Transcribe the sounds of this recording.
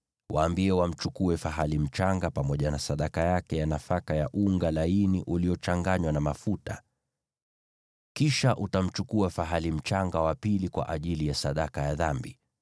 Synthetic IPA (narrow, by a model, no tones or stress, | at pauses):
waːmbiɛwam̩t͡ʃukuɛfaɦalim̩t͡ʃaŋɡapamɔʄanasaɗakajakɛjanafakajaʔuŋɡalainiʔuliɔt͡ʃaŋɡaɲwanamafuta | kiʃaʔutam̩t͡ʃukuafaɦalim̩t͡ʃaŋɡawapilikwa̰ʔaʄilijasaɗakajaðambi